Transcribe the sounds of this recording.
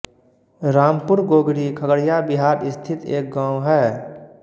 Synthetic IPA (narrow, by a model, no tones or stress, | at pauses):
ɾaːmpʊɾɡoːɡɾikʰəɡəɽjabɪɦaːɾɪst̪ʰɪt̪ḛːk̚ɡãːũɦɛː